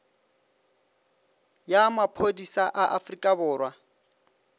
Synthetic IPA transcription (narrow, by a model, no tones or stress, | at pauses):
jamapʰodisaʔaʔafrikʼabʊːrwa